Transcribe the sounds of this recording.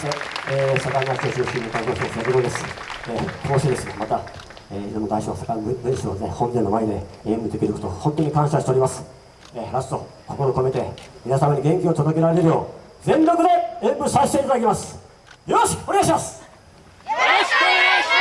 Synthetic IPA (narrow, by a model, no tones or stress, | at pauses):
t̪eesakaiast̪esioɕkʲĩnːokãt̪ososasɨɡod̪e̞sɨ̥ek̪ʰoːɕid̪esɨnemat̪a | eːiomod̪aiɕoːsakadɯ̃ɕinehõ̞nd̪ẽnːomaed̪e̞ẽmbɯ̟d̪e̞kʲiɾɯko̞t̪ohõ̞nt̪o̞ɲ̟ikãɰ̃ɕaɕi̥t̪eɾimasɨ̥ | eːɾast̪o̞kokoɾoko̞met̪e̞mʲinasamaɲiɡẽ̞ŋkʲiot̪od̪o̞ke̞ɾaɾeeɾɯjo̞ː | zẽ̞nɾokɯ̟d̪e̞ẽmbɯ̟saɕi̥t̪eit̪ad̪akʲimasɨ̥ | joːɕi̥koneaɕ̬imasɨ̥